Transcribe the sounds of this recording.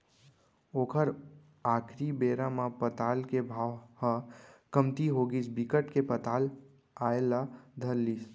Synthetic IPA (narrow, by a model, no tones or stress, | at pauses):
oːkʰəɾ | aːkʰɾibeːɾãmãpət̪aːlkebʱaːʋhãkəmt̪iɦoɡisbikəʈkepət̪aːl | aelad̪ʱəɾliːs